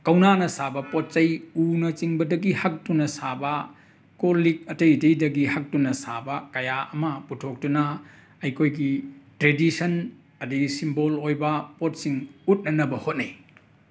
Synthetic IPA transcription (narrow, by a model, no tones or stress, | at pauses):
kɐwnanɐsabɐpot̚t͡ʃɐjunɐt͡ʃiŋbɐdɐɡihɐk̚tunɐsabɐ | kolik̚ɐtɐjdɐjdɐɡihɐk̚tunɐsabɐkɐjaʔɐmɐputʰok̚tunɐ | ɐjkʰojɡitɾedisɐn | ɐdisimbolojbɐpot̚siŋut̚nɐnɐbɐhot̚nij